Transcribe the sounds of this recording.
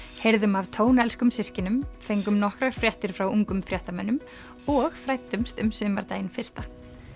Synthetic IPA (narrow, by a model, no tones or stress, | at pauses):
hejɾðʏmavt̪ʰoːwnɛlskʏmsɪscɪnʏmfejŋkʏmnɔhkɾaɣ̥ɾ̥fɾjɛht̪ɪɾ̥fɾawuŋkʏmfɾjɛht̪amɛnːʏm | ɔɣfɾajt̪ːʏmst̪ʏmsʏːmaɾt̪aːjɪnfɪr̥st̪a